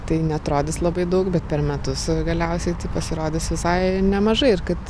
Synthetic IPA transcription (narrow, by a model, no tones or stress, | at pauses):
t̪ɐɪnʲɛɐt̪ɾoːd̪ʲɪslˠɐbɐɪd̪ɐʊkbʲɛt̪̚pʲɛɾmʲɛt̪ʊsɡɐlʲɛʊsʲɛɪt̪ɪpɐsʲɪɾoːd̪ʲɪsʋʲɪsɐɪnʲɛmɐʒɐɪɪɾkɐt̪